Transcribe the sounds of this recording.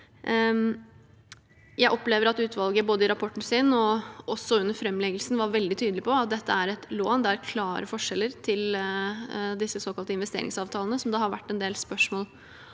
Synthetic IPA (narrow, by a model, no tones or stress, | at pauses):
jæɪʔɔpleːʋəɾɑt̪ʉːt̪ʋɑlɡəboːd̪əɪɾɑpʰɔʈːɳ̩siːnɔɔsːɔʉnːəɾfɾɛmːlɛɡəlsn̩ʋɑɾʋɛld̪ɪt̪ʰyːd̪əlɪpʰɔɑt̪̚d̪ɛt̪ʰːəæɾɛt̪loːnd̪ɛæɾkʰlɑːɾəfɔʂɛlːəɾt̪ʰɪl | d̪ɪsːəsoːkɑlt̪əɪnʋɛst̪ḛːɾɪ̰ŋsɑːʋt̪ʰɑːlənəsɔmd̪ɑːhɑɾʋæ̰ʈːɛnd̪eːlspœʂmoːl